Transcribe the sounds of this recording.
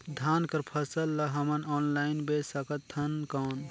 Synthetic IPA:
d̪ʱaːnkəɾpʰəsəlːəɦɐmənɔːnlaːɪnbesəkət̪ʰːənkɔːn

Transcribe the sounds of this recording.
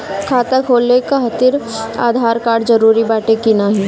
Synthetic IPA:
kʰaːt̪akʰoːlekaɦɐt̪ɪɾa̰ːd̪ʱaːɾkaːɾɽd͡ʒɐɾuːɾibaːʈekinaɦi

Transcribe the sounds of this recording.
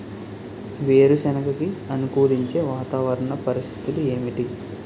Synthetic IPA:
ʋeːɾusɛnɐkɐkiɐnukuːɾiɲt͡ʃe̞ːʋaːt̪aːʋɐɾɐɳɐpɐɾist̪ʰi̥t̪ulue̞ːmiʈi

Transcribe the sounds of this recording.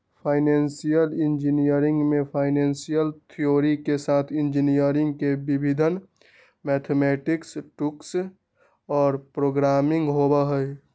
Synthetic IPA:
pʰaːɪnɛːnsijəlɪ̃nd͡ʒinijəɾɪ̃ŋɡmẽpʰaːɪneːnsijəlt̪ʰijoːɾikesaːt̪ʰɪ̃nd͡ʒinijəɾɪ̃ŋɡkebibʱid̪ʱən | mɛt̪ʰemɛːʈɪksʈuks | ɔːɾpɾoːɡɾaːmɪ̃ŋɡɦobəɦəj

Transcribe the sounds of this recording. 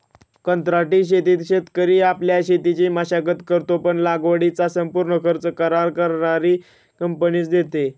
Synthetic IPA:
kənt̪ɾaʈiːɕ̬et̪iːt̪ɕet̪kəɾiːapljaɕet̪it͡ɕiːməɕakət̪kəɾt̪opəɳlaɡʋəɽit͡sasəmpuɾɳəkʰəɾt͡səkəɾaɾkəɾɳaɾi | kəmpəniːt͡sd̪et̪e

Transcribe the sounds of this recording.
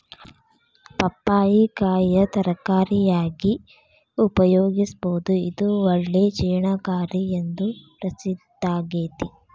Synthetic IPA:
pɐpːaːjikaːjɐt̪ɐɾɐkaːɾijaːɡi | upɐjoːɡisboːd̪uid̪uɔɭːeːt͡ʃɛːɳakaːɾiend̪upɾɐsid̪aːɡeːt̪i

